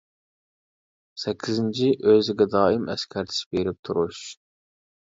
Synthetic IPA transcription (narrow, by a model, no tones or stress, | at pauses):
sɛkʲʰːizɪnt͡ʃʰiʔøzɪɡʲɛd̪ɑːimɛ̰skʲʰɛɾt͡ʃʰɪ̥ʃbeɾɪp̚t̪ʰuɾuʃ